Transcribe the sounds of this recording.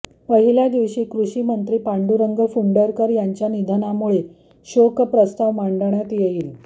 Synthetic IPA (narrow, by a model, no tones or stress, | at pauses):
ʋəɦiljad̪iʋɕiːkɾuɕiːmənt̪ɾiːpaɳɖuɾəŋɡəfuɳɖəɾkəɾjaɲt͡ɕjanid̪ʱnamuɭe | ɕokpɾəst̪aʋmaɳɖəɳjat̪jeiːl